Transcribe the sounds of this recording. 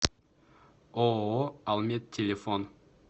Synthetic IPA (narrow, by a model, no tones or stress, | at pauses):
oɑlˠmʲet̪ʰʲːelʲefon